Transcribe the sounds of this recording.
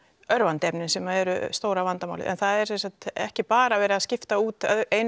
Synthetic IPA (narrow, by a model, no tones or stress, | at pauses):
œɾvant̪ɛpnɪnsɛmaɛɾʏst̪oːwɾavant̪amawlɪ̰ʔɛ̰nθaðɛɾ̥sɛnsak̪ɛ̰hcɪpaːɾavɛːɾɪaðscɪft̪auːt̪ðejn